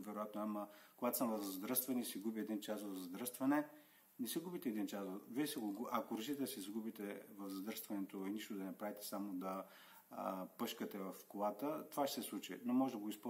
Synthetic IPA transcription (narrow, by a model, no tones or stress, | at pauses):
vɛɾʊjat̪noamɐkoɡat̪o̥səmvɐzzd̪ɾəst̪vɐnisiɡubiɛd̪int͡ʃasvɐvzd̪ɾəst̪vɐnɛ | nɛsiɡubit̪ɛd̪int͡ʃasviɛsɛɡoɡʔɐkoɾɐʃit̪ɛd̪sizɡubit̪ɛvɐvzd̪ɾəɾst̪vɐnɛt̪oiniʃt̪od̪ɐnɛpɾavit̪ɛ̥samod̪ɐ | pɤʃkət̪ɛvɐfkolat̪ət̪ovaʃɛsɛslˠut͡ʃḭnomɔʒɛd̪ɐɡoispo